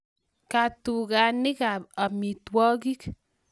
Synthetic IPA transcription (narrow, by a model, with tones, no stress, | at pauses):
ka˨tu˨ka˨nɪ˦ka˨a˨mi˨twɔ˦ki˦k